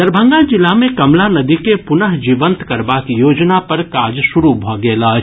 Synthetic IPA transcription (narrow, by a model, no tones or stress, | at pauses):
d̪əɾbʱə̃ŋɡad͡ʒɪlamẽkɐmlanɐd̪ikepʊnəɦd͡ʒiːʋə̃nt̪kɐɾbaːkjoːd͡ʒnapɐɾkaːd͡ʒʃʊɾubʱɔɡeːlaː